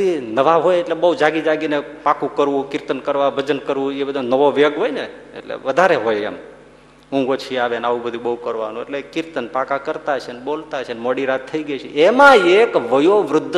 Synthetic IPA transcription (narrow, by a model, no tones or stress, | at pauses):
inəʋaɦojeʈlebəɦd͡ʒaɡid͡ʒaɡinepakũkəɾʋũkɪɾt̪ənkəɾʋabʱəd͡ʒənkəɾʋũebəd̪ʱanəʋoʋeɡɦojneḛʈlḛʋəd̪ʱaɾeɦojḛm | ũŋɡot͡ʃʰiaʋenaʋũbəd̪ʱũbəɦukəɾʋa̰nũḛʈlekɪɾt̪ənpakakəɾt̪at͡ʃʰenbolt̪aɦt͡ʃʰenmoɽiɾat̪ʰːəiɡət͡ʃʰiemãekʋəjoʋɾʊd̪ʱː